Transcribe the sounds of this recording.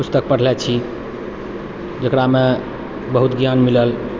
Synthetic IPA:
pust̪ək̚pəɽ̤lɛt͡ʃʰi | d͡ʒəkɾame | bəɦut̪ɡjanmiləl

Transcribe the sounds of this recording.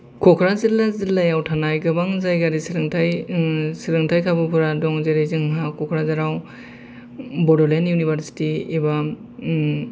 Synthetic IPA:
kʰɔkʰɾazilazilːajawtʰanajɡɯbaŋzajɡaɾisiɾɯŋtʰajsiɾɯŋtʰajkʰabɯpʰuɾadɔŋzeɾejzɯŋɦakɔkʰɾazaɾaw | bɔdɔlenjunibaɾsi̥tiːba

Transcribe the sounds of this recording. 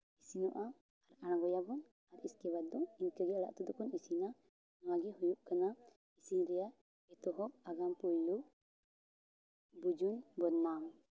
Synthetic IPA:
isinɔʔaː | ɾañɡɔjabɔn | aɾiskɛbat̪̚d̪ɔiɲkəɡɛala̰ʔt̪ɔd̪ɔkʰɔnisina | nɔwaɡɛɦujuʔkana | isiɲɾɛja | ɛt̪ɔɦɔʔaɡampujlu | bud͡ʒunbɔnːam

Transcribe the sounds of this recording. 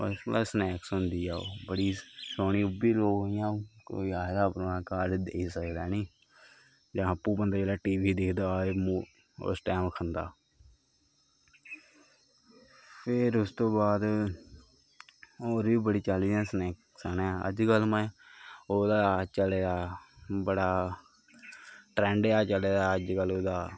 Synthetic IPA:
o̰ːɾɪslaːsnɛːksʊ̃nd̪iːaːoːbəɽiːsoːniːʊbiːloːɡɦoːɪjãːko̰ːiːaːd̪aːpɾõːãːkaːɾɖd̪eːiːsəkd̪aːniː | d͡ʒãːəpːũːbənd̪aːeːlaːʈiːʋiːd̪ɪkʰd̪aːemuː | o̰sʈɛːmkʰənd̪aː | pʰɪɾʊst̪õːbaːd̪ | oːɾʋiːbəɽiːt͡ʃaliːd̪ɛ̃ːsəneːk | sənɛ̃ə̰d͡ʒkəlmə̃ːoːd̪aːt͡ʃəleːd̪aːbəɽaː | ʈɾɛ̃ːɳɖeːaːt͡ʃəleːd̪aːəd͡ʒkəloːd̪aː

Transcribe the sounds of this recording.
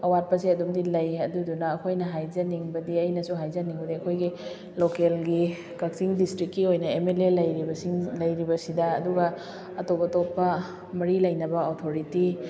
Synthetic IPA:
ɐwat̚pɐsiɐdumdilɐjɐdudunɐːkʰojnɐɦajzɐniŋbɐdiɐjnɐsuɦajzɐniŋbɐdiɐkʰojɡi | lokelɡi | kɐk̚siŋdistɾikːiojnɐemelelɐjɾibɐsiŋlɐjɾibɐsidɐːduɡɐ | ɐtopɐtopːɐ | mɐɾilɐjnɐbɐotʰoɾiti

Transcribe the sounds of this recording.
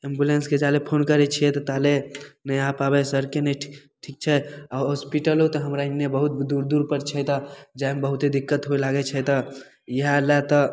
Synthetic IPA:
ẽmbulensked͡ʒalepʰonkəɾɛt͡ʃʰiɛt̪ɔt̪alenəjapabɛsəɾkenə | ʈʰik̚t͡ʃʰɛaɦɔspiʈəlɦot̪ɔɦəmɾaĩnebəɦut̪̚d̪uɾd̪uɾpəɾt͡ʃʰɛt̪ɔd͡ʒambəɦut̪ed̪ikːət̪ɦoelaɡɛt͡ʃʰɛt̪ɔ | jəɦalat̪ə

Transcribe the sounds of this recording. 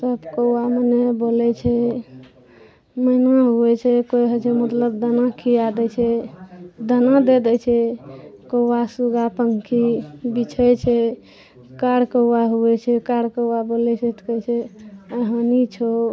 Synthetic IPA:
səbkəwwamenebolɛt͡ʃʰɛ | məɪnaɦuɛt͡ʃʰɛkojɦət͡ʃʰɛmət̪ləbd̪ənakʰiad̪ɛt͡ʃʰɛ | d̪ənad̪ed̪ɛt͡ʃʰɛkəwasuɡapəŋkʰibit͡ʃʰəjt͡ʃʰɛ | kaɽkəwaɦuɛt͡ʃʰɛkaɽkəwabolɛt͡ʃʰɛt̪ʰkəjt͡ʃʰɛəɦãnit͡ʃʰo

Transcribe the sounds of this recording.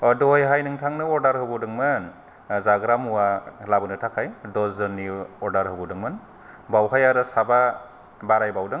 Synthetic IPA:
ɔdɔjɦajnɯŋtʰaŋnɯɔɾdaɾhɯbɯdɯŋmɯn | zaɡɾamuwalabɯnɯtʰakʰajdɔzɯnːiɔɾdaɾhɯbɔdɯŋmɯn | bawɦajaɾɯsaba | baɾajbawdɯŋ

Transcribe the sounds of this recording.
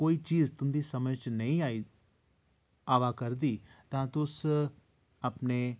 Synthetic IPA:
koːit͡ʃiːzt̪ʊmd̪isɐməd͡ʒnɐɦĩaːi | aːʋakɐɾd̪it̪ãt̪ʊs | apne

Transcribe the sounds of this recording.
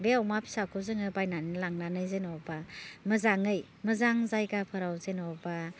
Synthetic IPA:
beawmapʰi̥sakʰuzɯŋɯbajnanilaŋnanɯjzenɔwbamɯzaŋɯj | mɯzaŋzajɡapʰɯɾawzenɔwba

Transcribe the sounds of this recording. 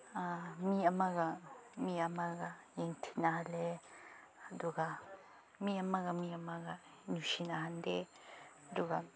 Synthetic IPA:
amĩamãɡamĩamãɡajeŋt̪ʰi̥nãɦale | d̪uɡa | mĩamãɡamĩamãɡa | nũʃinãɦand̪e | d̪uɡa

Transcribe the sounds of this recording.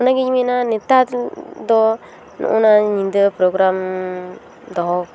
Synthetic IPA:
unãkiɲĩmĩnãnĩt̪at̪d̪o | nṵ̃ʔũnãɲĩnd̪əpɾoɡɾam | d̪oɦo

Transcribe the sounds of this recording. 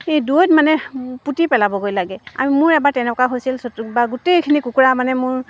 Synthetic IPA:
edujtmanɛputipɛlabɔɡojlaɡɛa̰mimʊɹɛbaɹtɛnɛkaɦojsilsotubaɡutejkʰinikukuɹamanɛmʊɹ

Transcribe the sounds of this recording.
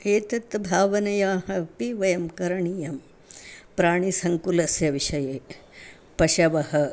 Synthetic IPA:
kʰeːt̪ɐt̪bʱaːʋɐnɐjaːɦɐ̆piʋɐjɐmkɐɾɐɳijɐm | pɾaːɳ̃isɐŋkulɐsjɐʋiʃɐjeː | pɐʃɐʋɐhɐ

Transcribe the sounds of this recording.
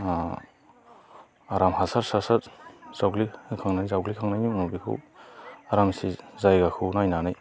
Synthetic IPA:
aɾamhasaɾsasatz̥awɡlikʰaŋnajzawɡlikʰaŋnajmimnubikʰɯ̰waɾamsizajɡakʰɯwnajnanaj

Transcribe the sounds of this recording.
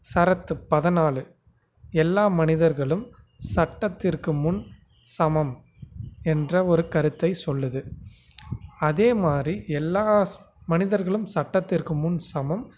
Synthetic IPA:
sɐɾɐt̪ːɯpɐðɐnaːɭɯ | ɛlːaːmɐnɪðɐɾɣɐɭɯm | sɐʈːɐt̪ːɪrkɯmʊn | sɐmɐm | ɛndrɐɔɾɯkɐɾɯt̪ːɐɪsɔlːɐðɯ | ɐðeːmaːd̪riʔɛlːaː | mɐnɪðɐɾɣɐɭɯmsɐʈːɐt̪ːɪrkɯmʊnsɐmɐm

